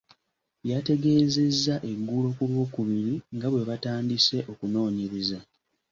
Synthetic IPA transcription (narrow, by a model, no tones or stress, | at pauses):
jate̞ɡe̞ːze̞zːaʔe̞ɡːulo̞kulwo̞ːkuβiɾiŋɡaβwe̞βataːndise̞ʔo̞kuno̞ːɲeɾiza